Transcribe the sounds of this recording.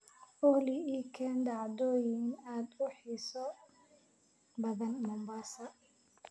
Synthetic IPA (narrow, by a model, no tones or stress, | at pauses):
ɔliikʰɛnd̪ɑʕd̪ɔːjɪnaːd̪ʊħisɔ | bɐðɐnmʊmbaːsɐ